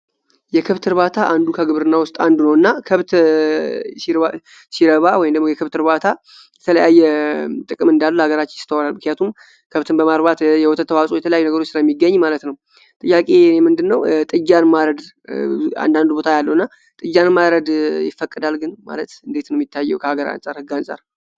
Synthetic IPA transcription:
jɛkʰɨβt̪ʰɨɾβat̪ʰaʔand̪ukʰəɡɨβɾɨnːawʊst̪ʼand̪unəwɨnːakʰəβt̪ | siɾəβawɔjimd̪əɡmojɛkʰɨβt̪ɨɾbat̪ʰa | jɛt̪ʰələjajːɛt̪ʼɨkʼɨmɨnd̪alːuhaɡəɾat͡ʃːɪnjɪst̪ʰəwalalmɨknijat̪ʰum | kʰəβt̪ʰɨnbəmaɾbat̪jɛwɔt̪ʰət̪ʰːəwasʼojɛt̪ʰələjajunəɡəɾo̞t͡ʃːsɨɾajɛmːiɡːəɲːmalət̪nəw | t̪ʼɨjːakʼenemɨnd̪ɨnːəwt̪ʼɨd͡ʒːanmaɾəd̪ | a̰nd̪and̪ubo̞t̪ʰajalːəwɨnːa | t̪ʼɨd͡ʒːanmaɾəd̪jɪfːəkʼːɨd̪alɡɨnma̰lət̪ɨnd̪e̞t̪nəwjit̪ʰːajːɛwkʰəhaɡəɾa̰nsʼaɾhɨɡːansʼa̰ɾ

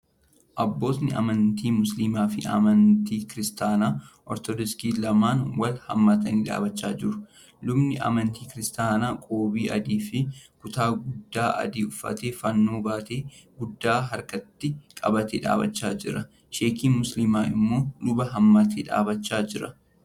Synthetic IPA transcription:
ʔɐbːo̞ːt̪nɪɐ̰mɐnt̪iːmʊslimaːfɪ̰ɐ̰mɐnt̪iːkɪɾɪst̪aːnaːʔɔɾt̪ɔd̪ɔskiːlɐmaːnwɐlhɐ̰mːaːt̪ɐniːᶑa̰ːbɐt͡ʃːaːd͡ʒɪɾʊ̥ | lʊbnɪʔɐ̰mɐnt̪iːkɪɾɪst̪aːnaːkʼoːbiːʔɐd̪iːfɪkʊt̪aːɡʊd̪ːaːʔɐ̰d̪iːʊfːɐ̰t̪eːfɐnːoːbaːt̪eːɡʊd̪ːaːɦɐɾkɐt̪ːɪkʼɐbɐt̪ḛːᶑa̰ːbɐ̰t͡ʃːaːd͡ʒɪ̰ɾɐ | ʃeːkiːnmʊslɪmaːʔɪ̰mːo̞ːlʊbɐɦɐmːaːt̪ʰeːᶑa̰ːbɐt͡ʃːaːd͡ʒɪɾɐ

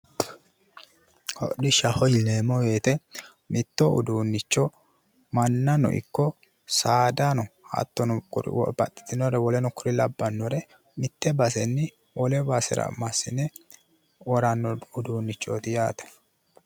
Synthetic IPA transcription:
hɔ̰ɗɪʃːɐhɔjleːmːɔwe̞ːt̪ɛ | mɪt̪ːɔʊ̰d̪uːnːɪt͡ʃːɔ | mɐnːɐnɔ̰ʔɪ̰kːɔ | saːd̪anɔhɐ̰t̪ːɔnʊʊɾ̰wɔ̰bɐ̰t̪ʼːɪ̥t̪ɪnɔɾɛwɔlɛnʊkʊɾɪlɐbːɐnːɔɾɛ | mɪt̪ːɛbɐsɛnːɪ | wɔlɛbasɛ̰ɾɐ̰mɐsɪnɛ | wɔɾɐnːɔʊd̪uːnːɪt͡ʃːo̰t̪ɪjaːt̪ɐ̥

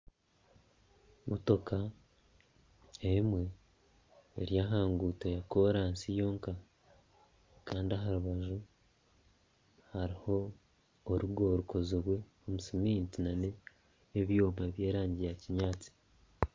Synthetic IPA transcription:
moto̞kʰa | emwe̞ː | ɾjaɦaːŋɡuːtejako̞ɾaːnsijo̞ːŋka | kaːndiaɦaɾuβaʒu | haɾiho̞ː | ɾuɡo̞ɾuko̞ziɾwe̞ | omusimint͡sinaneː | βjoːmaβje̞ːɾaːɲɟijaciɲaːt͡si̥

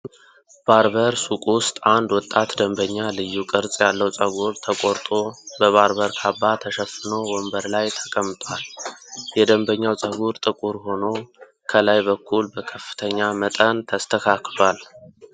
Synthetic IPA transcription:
b̥aɾbəɾsukʼwʊst̪ʼand̪wɔt̪ʼːat̪d̪əmbəɲːalɨjːukʼɨɾt͡sʼjalːəwt͡sʼəɡuɾt̪ʰəkʼoɾt̪ʼo̞bəβaɾbəɾkʰabːat̪ʰəʃəfɨnowɔmbəɾlajt̪ʰə̥kʼəmːt̪ʼwaljɛd̪əmbəɲːawt͡sʼəɡuɾt̪ʼɨkʼuɾho̞no̞ | kʰəlajbəkʰːulbəkʰəfːɨ̥t̪ʰəɲːamət̪ʼənt̪ʰəst̪ʰəkʰakʰlal

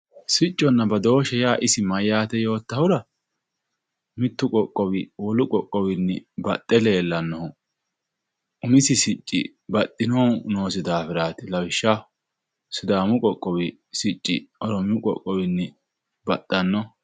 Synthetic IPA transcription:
sɪt͡ʃʼːɔnːɐbɐd̪o̞ːʃɛjaːʔɪsɪmɐjːaːt̪ɛjo̞ːt̪ːɐhʊɾɐ | mɪt̪ːʊkʼɔkʼːɔwɪwɔlʊkʼɔkʼːɔwɪnːɛbɐt̪ʼːɛleːlːɐnːɔʊ | ʊmɪsɪsɪt͡ʃʼːɪ̰ | bɐt̪ʼːɪnono̞ːsɪd̪aːfɪɾaːt̪ɪlɐwɪʃːa | sʊd̪aːmʊkʼɔkʼːɔwɪ | sɪt͡ʃʼːɪɔɾɔmʊkʼɔ̰kʼːɔwɪnːɛ | bɐt̪ʼːɐnːɔ

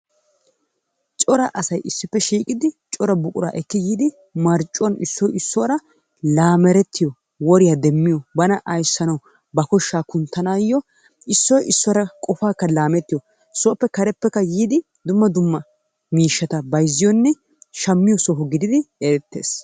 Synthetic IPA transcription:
t͡ʃʼɔɾɐʔɐsɐjɪsːɪpːɛʃiːkʼɪd̪ɪt͡ʃʼɔɾɐbʊkʼʊɾa̰ːʔɛkːɪjiːd̪ɪ | mɐɾt͡ʃʼːɔnɪ̰sːɔjɪsːɔɾɐ | laːmɛɾɛt̪ːɪjɔ | wɔɾɪjad̪ɛmːɪjɔbɐnɐʔɐjsːɐnɐw | bɐkɔʃːaːkʊnt̪ːɐnaːjːɔ | ɪsːɔjɪsːɔɾɐkʼɔfaːkːɐlaːmɛt̪ːɪjɔ | sɔːpːɛkɐɾɛpːɛkːɐjiːd̪ɪ | d̪ʊmːɐd̪ʊmːɐ | miːʃːɐt̪ɐbɐjzːɪjɔnːɛ | ʃɐmːɪjɔsɔɦʊɡɪd̪ɪd̪ɪɛɾɛt̪ːe̞̰ːs

